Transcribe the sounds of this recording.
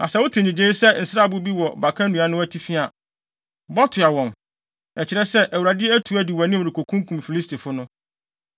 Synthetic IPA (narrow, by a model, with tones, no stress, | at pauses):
a̰˨sɛ˦wʊ˦tʰɪ̃˨ɲĩ˨d͡ʑẽ˦sɛ˦n̩˨sa˦˨bʊ˦bi˦wɔ˨ba˨kʰa˦nũ˨a˨nʊ̃˦æ˦tʰi˦fi˦a˨ | bɔ˦tʰʊ˨a˨wɔ̃˨n | ɛ˨t͡ɕʰɪ˨ɾɛ˦sɛ˦ʔæ˨u˨a˨dɪ˦ɛ˦æ˦tʰu˨˦æ˦di˨wa˨nĩ˦˨ɾi˨kʰo˨kʰũ˦ŋ˦kʰũ˨mfi˨li˦sti˨fʊ˦nʊ̃˦